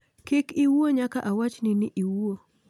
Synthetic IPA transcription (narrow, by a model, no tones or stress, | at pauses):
kɪkiwuoɲakaʔawat͡ʃnɪnɪʔiwuo